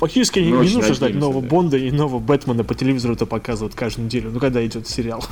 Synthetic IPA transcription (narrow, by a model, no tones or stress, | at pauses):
fɐk̚tʲit͡ʃɪskʲɪɪnʲɪnunəʐd̪atʲno̞vəjəbo̞nd̪əɪno̞vəbɛt̪mənəpətʲɪlʲɪvʲizəɾʊt̪əpɐkazɨvəjɪt̪kaʐd̪ʊmʊdʲelʲɪʊnukɐɡ̚d̪aɪdʲo̞t̪sʲɪɾʲɪalˠ